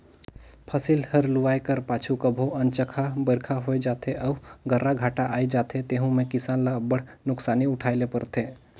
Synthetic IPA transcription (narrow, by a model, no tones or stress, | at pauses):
pʰəsilhəɾlʊʋaːjkəɾpaːt͡ʃʰukəbʱoʔənt͡ʃəkʰabəɾkʰaɦoed͡ʒaːt̪ʰeʔəʊɡʱəɾːaɡʱaːʈaʔaːid͡ʒaːt̪ʰet̪eːɦũmẽkɪsaːnlabəɽ̤nʊksaːniʊʈʰaːɪlepəɾt̪ʰẽː